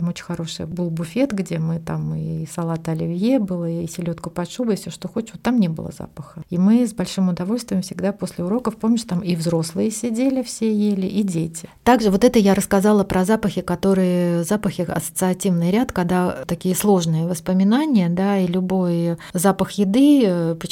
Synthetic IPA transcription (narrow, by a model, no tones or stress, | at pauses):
mot͡ɕɪ̥nʲxɐɾo̞ʂɨ̰jbɨlˠbʊfʲe̞t̪ɡdʲe̞mɨt̪a̰mɨsɐlˠat̪əɐlʲɪvʲjebɨlˠəisʲɪlʲo̞t̪kʊpɐʂubəɪfsʲoʂt̪oxo̞t͡ɕot̪ːamnʲebɨ̰lˠə̰za̰pəxəimɨzbɐlʲʂɨmʊd̪ɐvo̞lʲst̪vʲɪjəmfsʲɪɡd̪apo̞sʲlʲɪʊɾo̞kəfpomnʲɪʃʂt̪amivzɾo̞slˠɨjəsʲɪdʲelʲɪfsʲejelʲɪʔidʲetʲɪt̪aɡʐɨvo̞t̪ɛt̪əjaɾəskɐzalˠəpɾʔɐzapəxʲɪkɐt̪o̞ɾɨjəzapəxʲɪɐ̰sə̥t̪sɨɐtʲivnɨjɾʲat̪kɐɡd̪at̪ɐkʲijəslˠo̞ʐnɨjəvəspəmʲɪnanʲɪjəd̪ailʲʊbo̞jzapəxjɪd̪ɨpʲɪ